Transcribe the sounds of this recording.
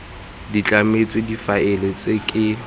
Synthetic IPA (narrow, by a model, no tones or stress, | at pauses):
dit͡ɬʼamet͡sʼwedifaɪlet͡sʼekʼɪ